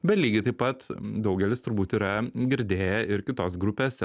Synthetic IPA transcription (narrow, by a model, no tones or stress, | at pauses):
bʲɛt̪lʲiːɡʲɪt̪ɐɪpɐt̪d̪ɒʊɡʲɛlʲɪst̪ʊɾbuːt̪iɾɐɡʲɪɾʲd̪ʲeːjɛɪɾkʲɪt̪oːsɡɾʊpʲeːs